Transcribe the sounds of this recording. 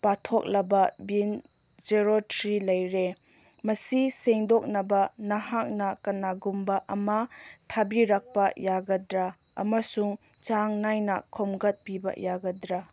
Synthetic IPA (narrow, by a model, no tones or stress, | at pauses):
patʰɔk̚lɐbɐbin | d͡ʒeɾotʰɾilɐjɾe | mɐsiseŋdɔk̚nɐbɐnɐhak̚nɐkɐnaɡumbɐʔɐmɐtʰabiɾak̚pɐjaɡɐdɾa | ɐ̰mɐsuŋ | t͡ʃaŋnajnɐ̰kʰɔmɡɐt̚pibɐ̰jaɡɐdɾa